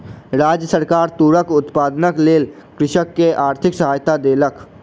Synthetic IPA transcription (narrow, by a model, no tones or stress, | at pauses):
ɾaːd͡ʒjəsəɾkaːɾt̪uːɾəkʊt̪paːd̪nəkleːl | kɾɪʃəkːeʔaːɾt̪ʰɪksəɦaːjt̪ad̪eːlək